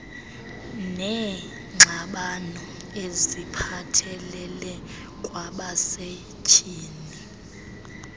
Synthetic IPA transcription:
nɛ | ŋ͡ǀʱaɓanɔ | ezipʰatʰɛlɛlɛ | kʼwaɓase | t͡ʃʰʼiːni

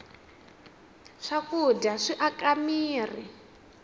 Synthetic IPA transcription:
ʂakudaʂiʔakamiːri

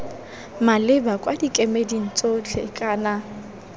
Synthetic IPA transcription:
malɪbakʼwadikʼemedin̩t͡sʼot͡ɬʰḛkʼaːna

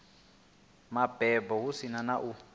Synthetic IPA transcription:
mab̥ɛbɔwusinanaʔu

